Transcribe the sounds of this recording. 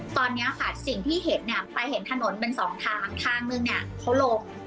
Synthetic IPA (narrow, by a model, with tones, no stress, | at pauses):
t̪ɔː˧nːi˦˥ɐkʰaː˨˩t̪̚si˨˩ŋt̪ʰiː˥˩ɦe˩˦n̚ni˥˩ɐpa˧jhe˩˦nt̪ʰa˧no˩˦npe˧nsɔː˩˦ŋt̪ʰaː˩˥ŋt̪ʰaː˧ŋmɯ˧ŋni˦˥˩ɐkʰa˦˥wloː˧k̚